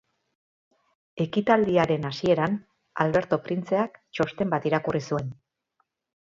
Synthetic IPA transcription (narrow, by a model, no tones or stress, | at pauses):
e̞kit̪ald̪iaɾe̞nasie̞ɾan | a̰lβe̞ɾt̪o̞pɾint͡se̞akt͡ʃo̞st̪e̞mbat̪iɾakurisue̞n